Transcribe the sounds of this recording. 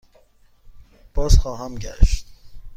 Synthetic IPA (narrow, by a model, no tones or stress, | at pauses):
b̥ɒːzxɒːɦæmɟæ̰ʃt̪